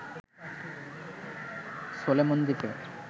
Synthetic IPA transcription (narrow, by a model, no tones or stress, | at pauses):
solemond̪ipe